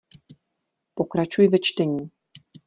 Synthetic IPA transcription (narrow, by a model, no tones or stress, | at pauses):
pokɾat͡ʃujɪvɛt͡ʃt̪ɛɲiː